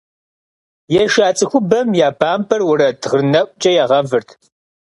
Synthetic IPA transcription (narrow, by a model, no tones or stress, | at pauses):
jɛʃaːt͡sʼɨxʷʊbɐmjaːbʰaːmpʰɐrwʊɾɐtʰʁɨnɐʔʷʼt͡ʃʼɐjaːʁɐvɨrtʰ